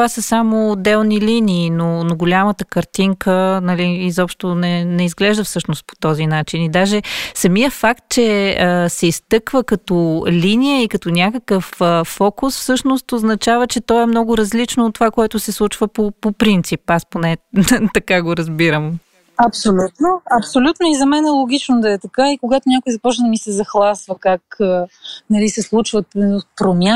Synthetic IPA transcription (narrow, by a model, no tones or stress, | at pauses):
vasəsamoːd̪ɛlˠniliniːnonoɡolʲamət̪əkɐɾt̪iŋkʰənɐliːzɔpʃt̪onɛnɛizɡlɛʒd̪əfsɤʃnost̪̚po̥t̪ɔzinat͡ʃinid̪aʒɛsɐmijəfakt̪̚t͡ʃɛəsɛist̪ɤkvəkɐt̪olinijəikɐt̪onʲakəkəfəːɔkʊsfsɤʃnost̪oznɐt͡ʃavət͡ʃɛt̪ɔɛmnɔɡʊɾɐzlit͡ʃnoʊːt̪ːovakoɛt̪ʊsɛslˠut͡ʃvəpopopɾint̪sipasponɛt̪ɐkaɡoɾɐzbiɾəm | ɐpsolʲut̪noɐpsolʲut̪noizɐmɛnɛlˠoɡʲit͡ʃnod̪ɐɛt̪ɐkaikoɡat̪ʊnʲakʊjzɐpɔt͡ʃnəd̪əmisɛzɐxlˠasvəkakənɐlisɛslˠut͡ʃvətpɾomʲja